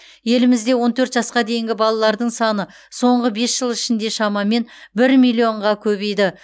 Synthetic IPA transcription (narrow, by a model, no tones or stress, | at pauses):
je̞lɪmɪzd̪e̞wo̞nt̪ʰɵɾt̪ʒɑsqɑd̪e̞jɪŋɡʲɪbɑlˠɑlˠɑɾd̪əɴsɑnə | so̞ɴʁəbe̞sʒ̥əlˠɪʃɪnd̪e̞ʃɑmɑme̞nbɪɾmijlʲˠijo̞ɴʁɑkʲʰɵbe̞jd̪ɪ